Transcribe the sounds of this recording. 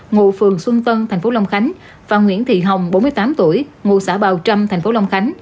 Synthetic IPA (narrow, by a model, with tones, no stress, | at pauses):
ŋṵ˧˨fɨ˨˩əŋswɨ˧ŋ͡mt̪ə˧nt̪ʰɛ˨˩jŋ̟fo˨˦la˧wŋ͡mxa˨˦jŋ̟ | vaː˨˩ŋwḭ˧˥ənt̪ʰḭ˧˨ɦə˨˩wŋ͡mɓo˨˦nmɨ˧əjt̪aː˨˦mt̪u˧˩əjŋṵ˧˨saː˧˩ɓaː˨˩wt͡ɕa˧mt̪ʰa˨˩j̟fo˨˦la˧wŋ͡mxa˨˦jŋ̟